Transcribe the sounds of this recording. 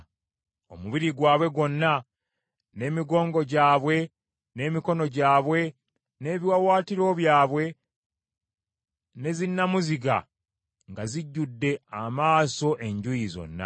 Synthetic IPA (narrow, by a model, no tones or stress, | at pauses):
o̞muβiɾiɡwaːβwe̞ɡo̞nːa | ne̞ːmiɡo̞ːŋɡo̞ɟaːβwe̞ | ne̞ːmiko̞no̞ɟaːβwe̞ | ne̞ːβiwawaːtiɾo̞βjaːβwe̞ | ne̞zinːamuziɡa̰ | ŋɡaziɟːudːe̞amaːso̞ʔe̞ɲɟujizo̞̰nːa̰